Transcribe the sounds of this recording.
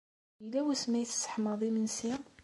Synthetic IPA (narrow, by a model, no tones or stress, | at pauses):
əlːæwæsmæjθsːə̥ħməðˤimənsi